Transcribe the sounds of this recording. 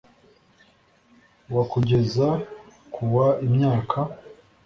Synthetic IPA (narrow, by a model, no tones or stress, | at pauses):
wakuɟe̞za | kʰuwaimɲaːkʰa